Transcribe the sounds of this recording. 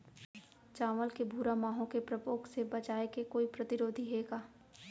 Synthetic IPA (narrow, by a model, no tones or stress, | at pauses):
t͡ʃaːʋəlkebʱuːɾamaːɦõkepɾɐpoːksebɐt͡ʃaːekekoːipɾɐt̪ɪɾoːd̪ʱiɦeːɡaː